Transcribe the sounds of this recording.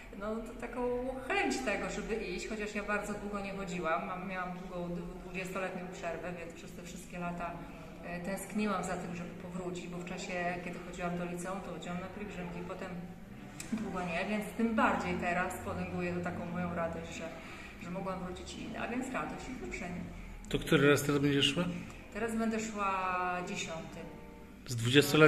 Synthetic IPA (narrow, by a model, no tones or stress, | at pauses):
nɔt̪ɔt̪akɔ̃w̃xɛɲt͡ɕt̪ɛɡɔʐɛbɘʔiɕt͡ɕxɔt͡ɕaʂjabaɾd̪zɔd̪wuɡɔɲɛxɔd͡ʑiwamːamːjawamd̪wuɡɔ̃w̃d̪d̪vud͡ʑɛst̪ɔlɛt̪ɲɔ̃w̃pʂɛɾvɛvʲjɛnspʂɛst̪ɛfʂɘst̪kʲɛlat̪a | t̪ɛ̃w̃skɲiwamzat̪ɘmʐɛbɘpɔvɾut͡ɕid͡ʑbɔft͡ʂaɕɛkʲɛd̪ɘxɔd͡ʑiwamd̪ɔlʲit̪sɛɔ̃mt̪ɔɔd͡ʑiwamnapʲjʲɛɡʐɘmkʲipɔt̪ɛm | d̪wuɡɔɲɛvʲjɛnt̪st̪ɘmbaɾd͡ʑejt̪ɛɾaspɔd̪ɛŋɡujɛt̪ɔt̪akɔ̃w̃mɔjɔ̃w̃ɾad̪ɔɕd͡ʑʐɛ | ʐɛmɔɡwamvɾut͡ɕit͡ɕḭnːɛ̰ʔa̰vʲjɛnt̪sɾad̪ɔɕt͡ɕɛɛpʂɛɲɛ | t̪ɔkt̪uɾɘɾast̪ɛɾazbɛɲd͡ʑɛʂwa | t̪ɛɾazbɛnd̪ɛʂwad͡ʑeɕɔnt̪ɨ | zd̪vud͡ʑɛst̪ɔlɛ